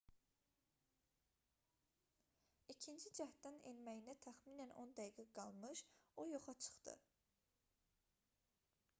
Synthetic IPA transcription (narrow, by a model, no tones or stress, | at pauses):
icʰind͡ʒid͡ʒæht̪d̪ænḛnmæjinæt̪ʰæxmiːnænʔo̞nd̪æjiɡæɡɑlˠmɯʃojoχɑt͡ʃʰɯ̥χd̪ɯ̰